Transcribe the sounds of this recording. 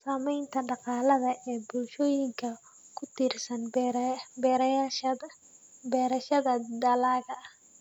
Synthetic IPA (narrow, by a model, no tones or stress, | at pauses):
saːmɛjnt̪ʰɐɖɑqɑːlɐðɐʔɛːbʊlʃɔːjɪŋkʰɐ | kʰʊt̪ʰirsɐn | bɛːɾ | bɛːɾɐʃɐðɐd̪ɐlaːɣɐɐ